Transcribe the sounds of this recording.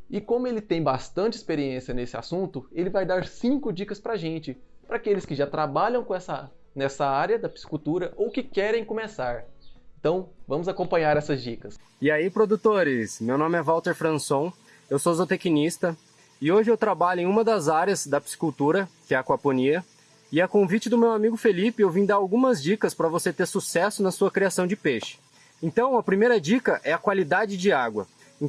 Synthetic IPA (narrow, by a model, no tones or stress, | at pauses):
ɪkõmʊelɪt̪ẽj̃bast̪ɐ̃nt͡ʃɪɪspeɾiẽsjɐnesɪa̰sũnt̪ʊelɪvajd̪aɾsĩŋkʊd͡ʒikɐspɾɐʒẽnt͡ʃɪpɾakelɪskɪʒat̪ɾabaʎɐ̃w̃kõɛsɐ | nɛsɐaɾjɐd̪ɐpi̥si̥kuwt̪uɾɐʔowkɪkɛɾẽj̃kõmesaɾẽnt̪ɐ̃w̃vɐ̃mʊzakõmpɐ̃ɲaɾɛsɐzd͡ʒikɐsɪaipɾod̪ut̪oɾɪsmewnõmɪɛvawt̪eɾfɾɐ̃sõw̃ | ewsozot̪ekinist̪ɐ | ɪoʒɪewt̪ɾabaʎʊẽj̃ũmɐd̪ɐzaɾjɐzd̪ɐpsi̥kuwt̪uɾɐkɪɛɐkwaponiɐ | ɪɐkõvit͡ʃɪd̪ʊmewamiɡʊfelipɪewvĩd̪aɾawɡũmɐzd͡ʒikɐspɾɐvoset̪eɾsusɛsʊnɐsuɐkɾiasɐ̃w̃d͡ʒɪpeʃɪ̥ | ẽnt̪ɐ̃w̃ɐpɾimejɾɐd͡ʒikɐʔɛɐkwalid̪ad͡ʒɪd͡ʒɪaɡwɐ̰ | ẽ